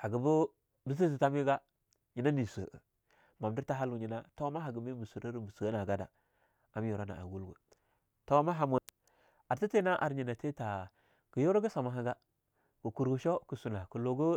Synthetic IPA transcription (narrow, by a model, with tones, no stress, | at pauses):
a˨ɡə˨bu˦ | bi˦s̬i˦zi˨ta˦mi˦ɡa˦ | ɲi˨na˦ni˨sə˨ə̰˨ | ma˨mdi˦ɾta˦ɦa˦lu˨ɲi˦na˦ta˦ma˦ɦa˨ɡə˨mi˦mu˨su˨ɾə˦ɾbu˨su˨a˦na˨ɡa˦da̰˨ | a˨m˦jo˨ɾa˦na̰˨a̰˨ɡu˦lɡṵ˨ | ta˦ma˦ɦa˨mu˨ | a˨ɾti˦te˦na˦ʔa̰˨ɾɲi˨na˨te˦ta˨ | ɡ̥ə˨jo˦ɾo˦ɡu˦sa˨ma˨ɦa˦ɡa˦ | ɡ̥u˨ku˨ɾɡu˨ʃo˦ku˨su˨na˨ku˨lo˨ɡu˦